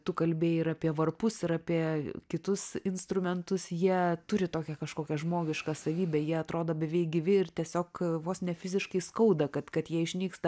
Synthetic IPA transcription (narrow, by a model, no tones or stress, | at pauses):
t̪ʊkɐlʲbʲeːjɪɾɐpʲiɛʋɐrpʊsɪɾɐpʲiɛkʲɪt̪ʊsɪnst̪ɾʊmʲɛnt̪ʊsjiɛt̪ʊɾʲɪt̪oːkʲɛkɐʃkoːkʲɛʒmoːɡʲɪʃkɑːsɐʋʲiːbʲɛːjiɛɐt̪ɾoːd̪oːbʲɛʋʲɛɪɡʲɪʋʲɪɪrt̪ʲɛsʲoːkʋoːsnʲɛfʲɪzʲɪʃkɐɪskɐʊd̪ɐkɐt̪kɐt̪jiɛɪʃʲnʲiːkst̪ɐ